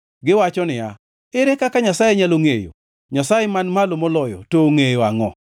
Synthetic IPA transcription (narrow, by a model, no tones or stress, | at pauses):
ɡɪwat͡ʃɔnɪja̰ | ɪɾɛkakaɲasajeɲaloŋejo̰ | ɲasajemanmalomɔlɔjɔ̰toŋejoaŋɔ